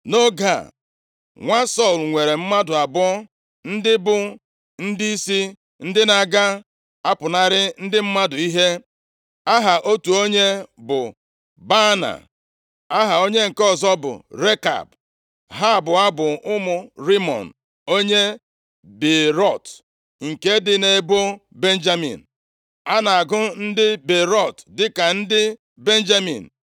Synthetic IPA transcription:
no˦ɡa̰˨ | ŋʷa˦sɔ˦˨lŋʷe˨ɾe˨m̩˦ma˦dʊ˨a˨bʊ˦ɔ˦ | n̩˦dɪ˦bʊ˦ | n̩˦di˦i˦si˦ | n̩˦dɪ˦na˨ɡa˦ | a˦pʊ˨na˦ɾɪ˦n̩˦dɪ˦m̩˦ma˦dʊ˨i˦ɦe˦ | a˦ɦa˨ʔo˦tu˨o˦ɲe˦bʊ˨ | ba˦na̰˨ | a˦ɦa˨o˦ɲe˦ŋ̩˨kɔ˦zɔ˦bʊ̰˨ɾe˦ka̰˨b | ɦa˦˨bʊ˨a˦bʊ˨ʊ˦mʊ˨ɾi˦mɔ̰˨n̩˨ | o˦ɲe˦ | be˨ɾɔ˦˨t | ŋ̩˨ke˦dɪ˦ne˨˦bo˦be˦n̩˦d͡ʒa˦mḭ˨n̩˨ | a˦na˨a˨ɡʊ˦n̩˦dɪ˦be˨ɾɔ˦˨tdɪ˦ka˨n̩˦dɪ˦ | be˦n̩˦d͡ʒa˦mḭ˨n̩˨

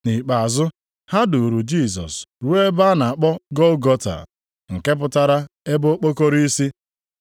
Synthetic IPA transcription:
ni˨k͡pa˨a˨zʊ˦ | ha˦dʊ˨ɾu˨d͡ʒi˦˨sɔ̰˨sɾu˦e˦ba˦na˨a˨k͡pɔ˦ɡɔ˦lɡɔ˦ta̰˨ | ŋ̩˨ke˦p̬ʊ˨ta˦ɾa˦e˦bʊ˦o˦k͡po˦ko˦ɾi˦i˦si˦

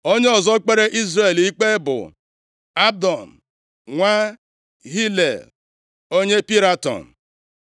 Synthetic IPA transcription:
o˦ɲe˦ɔ˨zɔ˦k͡pe˦ɾe˦ʔi˦zɾe˨li˦k͡pe˦bʊ̰˨ | a˦dɔ˨n̩˨ | ŋʷa˦ | ɦi˦lḛ˨l | o˦ɲe˦pi˦ɾa˦tɔ̰˨n̩˨

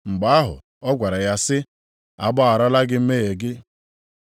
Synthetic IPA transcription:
ŋ͡m̩˨ɡ͡ba˨˦a˦ɦʊ̰˨ | ɔ˦ɡʷa˨ɾa˨ja˦sɪ˦ | a˨bɔ˦a˨ɾɔ˦la˦ɡɪ˦m̩˦me˦e˨ɡɪ˦

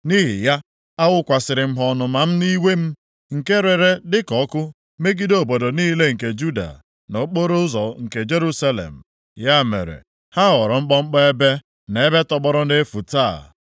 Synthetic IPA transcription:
ni˦ɦḭ˨ja˦ | a˦wʊ˦kʷa˨sɪ˨ɾɪ˨m̩˦ɦɔ˦nʊ˨ma˨m̩˦ni˦we˦m̩˦ | ŋ̩˨ke˦ɾe˨ɾe˦dɪ˦kɔ˦kʊ˦ | me˦ɡi˦do˦˨bo˨do˨niː˦le˦ŋ̩˨ke˨d͡ʒu˦da̰˨ | no˨˦k͡po˦ɾo˦zɔ˨ŋ̩˨ke˨d͡ʒe˦ɾu˦sa˦lḛ˨m̩˨ | ja˦mḛ˨ɾḛ˨ | ha˦ɦɔ˨ɾɔ˨ŋ͡m̩˦k͡pɔ˦ŋ͡m̩˦k͡pɔ˦e˦be˦ | ne˨e˦be˦tɔ˦ɡ͡bɔ˦ɾɔ˦e˦fu˨ta˦˨

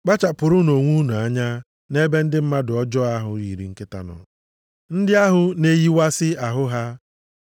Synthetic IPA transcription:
k͡pa˦t͡ʃa˨pʊ˨ɾʊ˦no˨ŋʷu˦nu˨a˦ɲa˦ | ne˦be˦n̩˦dɪ˦m̩˦ma˦dʊ˨ɔ˦d͡ʒɔ˦a˦ɦʊ˨ḭ˨ɾi˨ŋ̩˦kɪ˦ta̰˦nɔ̰˨ | n̩˦dɪ˦a˦ɦʊ˦ne˦ji˦wa˦sɪ˦a˨ɦʊ˦ɦa˦

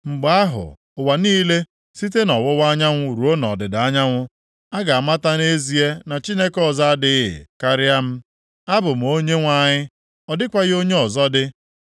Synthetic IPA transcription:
ŋ͡m̩˨ɡ͡ba˦ɦʊ̰˨ | ʊ˨wa˨niː˦le˦ | si˦t̬e˦nɔ˨wʊ˦wa˦ɲa˦ŋʷʊ˦ɾu˨o˦nɔ̰˨dɪ˨da˦ɲa˦ŋʷʊ˦ | a˦ɡa˨a˨ma˦ta˦ne˦zi˨e˦na˨t͡ʃi˦ne˦kɔ˦˨za˦a˦dɪ˦ɪ̰˨ka˦ɾɪ˦a˦m̩˦ | a˦bʊ˨m̩˨o˦ɲe˦ŋʷa˦ɲɪ˦ | ɔ˨dɪ˦kʷa˨ɣɪ˦o˦ɲe˦ɔ˨zɔ˦dɪ˦

